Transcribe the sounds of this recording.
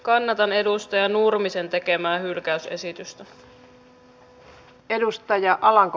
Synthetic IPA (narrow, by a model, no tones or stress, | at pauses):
kɑnːɑt̪ɑne̞dust̪ɑjɑnurmise̞nt̪e̞ke̞mæːhylkæyse̞sit̪yst̪æ | edust̪ɑjɑʔɑlɑŋk